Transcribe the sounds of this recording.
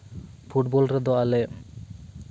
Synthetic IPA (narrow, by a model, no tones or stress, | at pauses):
fʰuʈbɔlɾɛd̪ɔalɛ